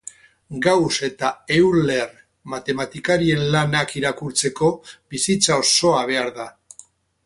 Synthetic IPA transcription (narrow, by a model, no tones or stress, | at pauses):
ɡawse̞t̪aewle̞r | mat̪e̞mat̪ikaɾie̞nlanakiɾakuɾt͡se̞ko̞bisit͡sao̞so̞aβ̞e̞aɾða